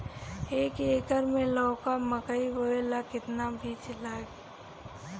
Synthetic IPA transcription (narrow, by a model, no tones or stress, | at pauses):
eːkekəɾmẽlɔːkaməkəiɦoelakɪt̪nabʱiːt͡ʃlaːɡ